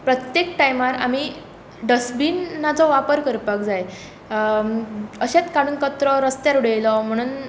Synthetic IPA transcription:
pɾət̪jekʈajmaɾa̰mi | ɖəsbiːnːat͡sɔʋapəɾkəɾpakd͡zaj | əɕat̪kaɽuːnkət̪ɾɔɾəst̪jaɾuɽejlɔm̤əɽ̃uːn

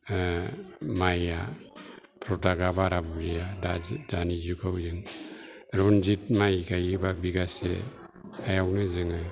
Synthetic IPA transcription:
maja | pɾotaɡabaɾabuɾijadad͡ʒanizukʰawzɯŋ | ɾond͡ʒitmajɡajibabiɡasḛ | ajawnɯzɯŋa

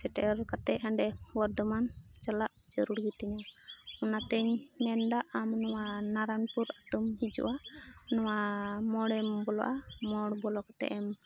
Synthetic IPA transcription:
sɛʈɛɛɾkat̪ɛaɳɖɛwɔɾd̪ɔmant͡ʃalaʔd͡ʒəɾuɽɡit̪ɛɲaɔnat̪ɛɲmɛnd̪aʔamnɔwanaɾanpuɾat̪umhid͡ʒɔ̰ʔanɔwamɔɽɛmbɔlɔ̰ʔamɔɽbɔlɔkat̪ɛ̰ʔɛm

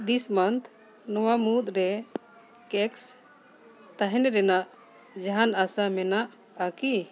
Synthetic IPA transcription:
d̪ismant̪ʰ | nɔwamut̪ɾɛ | kɛks | t̪aɦɛnɛɾɛnaʔ | d͡ʒaɦanasamɛnaʔ | aki

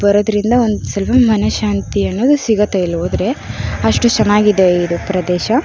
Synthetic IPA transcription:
bɐɾoːd̪ɐɾind̪ɐond̪usɐlpɐmɐnɐʃaːnt̪iɐnːo̞ːd̪usiɡɐt̪ɐilːɦoːd̪ɾe̞ɐʂʈut͡ʃɐnaːɡid̪eid̪upɾɐd̪ɛːʃɐ

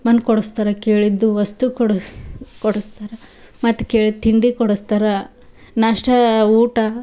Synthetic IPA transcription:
mɐnkɔɽust̪ɐɾɐkeːɭid̪ːuʋɐst̪ukoɽkɔɽust̪ɐɾɐ | mɐt̪ːkeːɭid̪̚t̪ʰiɳɖikɔɽust̪ɐɾɐ | naːʂʈɐuːʈɐ

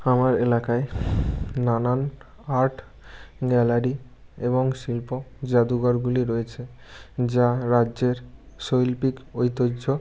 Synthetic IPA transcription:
amaɾelakaeː | anan | aɾʈ | ɡɛlaɾi | eboŋʃilpod͡ʑad̪uɡɔɾɡuliɾoet͡ɕʰe | d͡ʑaɾadːʑeɾʃojlpikojt̪oo

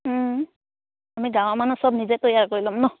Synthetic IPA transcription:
amiɡaw̃amanusɔb̚nizɛtojaɹkoɹilɔmnɔ

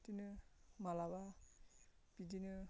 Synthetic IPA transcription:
tinɯmalaba | b̥idinɯ

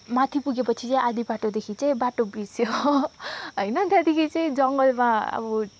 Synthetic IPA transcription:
mat̪ʰipuɡepʌt͡sʰit͡saĩad̪ibaʈod̪ekʰit͡saĩbaʈobisjo | ɦʌjnʌt̪ad̪ikʰit͡saĩd͡zʌŋɡʌlmaa̰bɔ

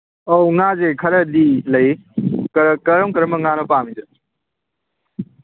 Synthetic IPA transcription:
oːŋãːd͡ʑeːkʰɐɾəɗiːlɐikəɾkəɾəmkəɾməŋaːnopaːmɪ̃d͡ʑə

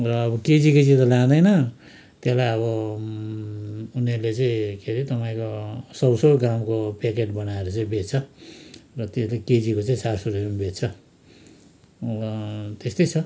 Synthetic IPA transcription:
rʌːbʌked͡ziked͡zit̪ʌlãd̪ʌjnʌ | t̪jelajʌβʌ | uneɾlet͡saĩkʰeɾit̪ʌpaĩkosʌbsoɡamkopekeʈ̚bʌnaeɾut͡saĩbet̚t͡sʰʌ | rʌt̪eslaked͡zikot͡saĩsarsuɾeembʱet̚t͡sʰʌ | ʌt̪est̪ʌjt͡sʰʌ

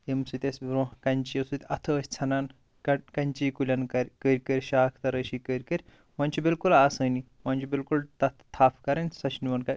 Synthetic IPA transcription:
t̪emsɨt̪ʲesʲbɾõkɐnʲt͡ʃiɐsut̪ʲɐt̪ʰəːsʲt͡sʰɐnan | kɐkɐnʲt͡ʃiːkulʲɐnkɐɾʲkəɾʲkəɾʲʃaːkʰt̪ɐɾəɕikəɾʲkəɾʲ | mɐnʲt͡ʃibilkulaːsəni | mant͡ʃʰibilkult̪ɐt̪ʰt̪ʰːaːpkɐɾɐnʲsɐʃniʋɐɳkɐɾʲ

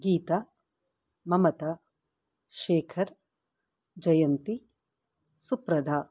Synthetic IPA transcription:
ɡiːt̪a | mɐmɐt̪ɐ | ʃeːkʰɐɾ | d͡ʒɐjɐnt̪i | supɾɐd̪ʱaː

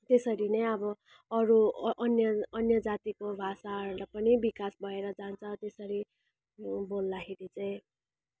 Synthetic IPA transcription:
t̪esʌɾinʌjʌbʌ | ʌɾuʔʌnjʌʌnjʌd͡zat̪ikobʱasalʌpʌnibikasbʱʌeɾʌd͡zant͡sʰʌt̪esʌɾi | bolːaɦiɾit͡saĩ

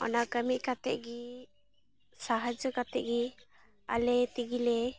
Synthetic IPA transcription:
ɔ̰nakəmiʔ̚kat̪ɛ̰ʔɡi | saɦəd͡ʒəkat̪ɛ̰ʔɡi | a̰lɛt̪iɡilɛ

